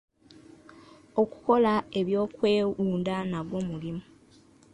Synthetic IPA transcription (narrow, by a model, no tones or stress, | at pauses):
oku̥ko̞laeβjo̞ːkwe̞ːuːndanaɡwo̞ːmulimu